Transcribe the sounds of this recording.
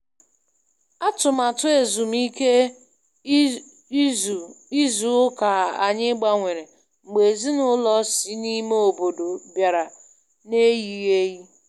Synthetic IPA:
a˦tʊ˨ma˨tʊ˦e˨zu˨m̩˦i˦ke˦˨ | i˦zu˨˦ʊ˦ka˨a˨ɲɪ˦ɡ͡ba˦ŋʷe˨ɾe˨ | ŋ͡m̩˨ɡ͡be˨zi˦nʊ˦lɔ˦si˦ni˦me˦o˨bo˨do˨bja˨ɾa˨ | ne˦ji˨ɣe˦ɣi˦

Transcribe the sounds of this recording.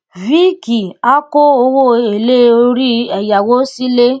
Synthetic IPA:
vi˦ki˨a˦ko˦o˧wo˦e˨le˦o˧˦ɾi˦ɛ˨ja˨wo˦si˦le˦

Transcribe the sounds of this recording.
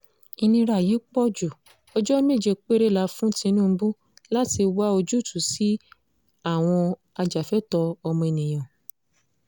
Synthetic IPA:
i˧nĩ˧ɾa˨ji˨˦k͡pɔ˦d͡ʒu˨ | ɔ˧d͡ʒɔ˦mẽ˦˨d͡ʒe˨˧k͡pe˦ɾe˦˨la˧˦fũ˦tĩ˧nũ˦˧˦bũ˦ | la˦ti˧wa˦o˧d͡ʒu˦˨tʰu˨si˨˦ | a˦˨w̃ɔ̃˧ | a˧d͡ʒa˨fɛ˨˦tɔ˧ɔ˧mɔ̃˧e˨nĩ˨j̃ɔ̃˨

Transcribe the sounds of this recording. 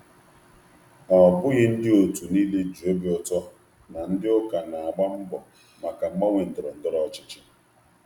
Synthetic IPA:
ɔ˨bʊ˦ɣɪ˦n̩˦dɪ˦o˨tu˨ni˦le˦d͡ʒu˨e˦be˦ʊ˨tɔ˦ | na˨n̩˦dɪ˦ʊ˦ka˨na˨a˨ɡ͡ba˦m̩˦bɔ˨ | ma˨ka˨ŋ͡m̩˦ɡ͡ba˦ŋʷe˨n̩˨dʊ˨ɾɔ˨n̩˨dɔ˦ɾɔ˦t͡ʃɪ̥˦t͡ʃɪ˦

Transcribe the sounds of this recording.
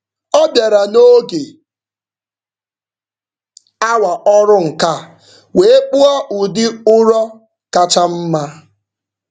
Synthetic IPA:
ɔ˦bja˨ɾa˨no˦ɡe˨ | a˦wa˨ʔɔ˦ɾʊ˦ŋ̩˨ka˦˨ | we˨˦e˦k͡pʊ˦a˦ʔʊ˨dɪ˦ʊ˦ɾɔ˦ | ka˦t͡ʃa˦m̩˦ma˦

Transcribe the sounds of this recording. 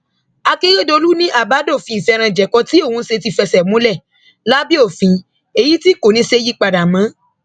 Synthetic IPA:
a˧ke˦ɾe˦˨do˧lu˦nĩ˦ʔa˦˨ba˨˦do˦˨fĩ˧i˨fɛ˧ɾ̃ã˧˨d͡ʒɛ˨kɔ˧ti˦o˦˨wũ˧˦se˧ti˧fɛ˧sɛ˨mũ˦lɛ˦˨ | la˦bi˦o˦˨fĩ˧ | e˨ji˨˦ti˦ko˨nĩ˨˦se˧˦ji˦k͡pa˨da˨mã˨˦

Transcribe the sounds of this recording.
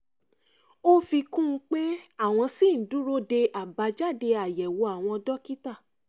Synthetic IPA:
o˦fi˧kũ˦˧k͡pe˦a˦˨w̃ɔ̃˧si˦˨n̩˨˦dũ˦ɾo˦de˧ʔa˨ba˧d͡ʒa˦˨de˧a˨jɛ˨wo˨˧˦a˨w̃ɔ̃˧dɔ˦ki˦ta˦˨

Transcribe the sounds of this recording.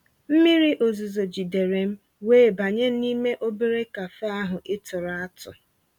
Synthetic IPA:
m̩˦mi˦ɾi˦ʔo˨zu˨zo˨d͡ʒi˨de˨ɾe˨m̩˦ | weː˦˨ba˨ɲe˦ni˦me˦ʔo˦be˦ɾe˦ka˨fa˦a˦ɦʊ˨ʔɪ˦tʊ˨ɾa˦tʊ̰˨

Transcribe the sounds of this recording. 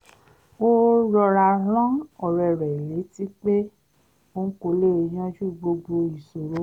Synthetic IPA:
o˦ɾɔ˧ɾa˧ɦɔ̃˦ɔ˨ɾɛ˨ɾɛ˨i˨le˨˦ti˦k͡pe˦ | o˧n̩˦ko˧le˦˧j̃ã˦ʃu˦˨ɡ͡bo˧ɡ͡bo˧i˨so˨ɾo˨˦

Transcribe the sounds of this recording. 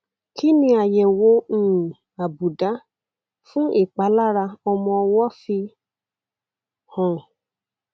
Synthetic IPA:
kʰi˦nĩ˦a˨jɛ˨wo˦ŋ̩̃˨ | a˨bu˨da˨˦ | fũ˦ʔe˨k͡pa˨la˦ɾa˧ɔ˧mɔ̃˧wɔ˦fi˧ | hɔ̃˨

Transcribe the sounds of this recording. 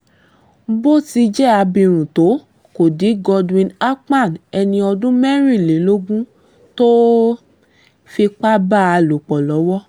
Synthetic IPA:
bo˦˨ti˧d͡ʒɛ˦˨a˧bĩ˧ɾ̃ũ˨to˨˦ | ko˨di˨˦ɡɔ˧dwĩ˧na˦k͡pa˦˨nɛ˧nĩ˧ɔ˧dũ˦mɛ˦ɾi˦˨le˨˦lo˦ɡũ˦ | to˦ | fi˧k͡pa˦ba˦˨a˧lo˨k͡pɔ˨lɔ˨˦wɔ˦

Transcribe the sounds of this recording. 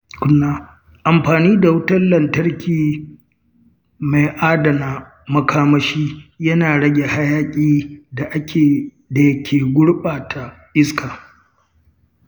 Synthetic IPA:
kʷʊ˦nːaː˦ | ʔa˨mɸaː˨niː˦da˨wʊ˦tɐ˦nlɐ˨ntɐ˦ɽkʲiː˨ | ma˨jʔaː˦dɐ˨naː˨ | mɐ˦kʰaː˦mɐ˦ʃiː˦jɐ˦naː˨ɽɐ˦ɡʲe˨ha˦jaː˦kʲʼiː˦da˨ʔa˦˨ | da˨˦kʲʰeː˨ɡʷʊ˦ɽɓaː˨tʰa˨ | ʔɪ˦skaː˨

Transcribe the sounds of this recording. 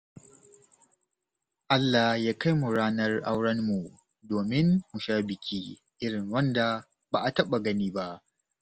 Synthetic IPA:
ʔa˦lːa˨hjaː˦ka˦jmu˨ɽaː˦nɐ˦rʔa˦wɽɐ˦nmu˨ | doː˨mɪ˦nːu˨ʃaː˦bɪ˨kʲʰiː˦ | ʔɪ˦ɽɪ˨ŋwɐ˦nda˨ | baː˨ʔa˨tɐ˦ɓa˨ɡɐ˦niː˦ba˦ʔ

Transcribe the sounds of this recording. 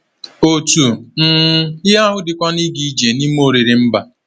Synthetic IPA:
o˨tu˨n̩˦ɪ˦ɦa˦ɦʊ˦dɪ˨kʷɔ˦ni˦ɡi˦d͡ʒe˨ni˦m˦o˦ɾi˨ɾi˨m̩˦ba˨

